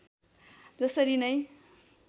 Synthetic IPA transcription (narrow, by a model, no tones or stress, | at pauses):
d͡zʌsʌɾinʌj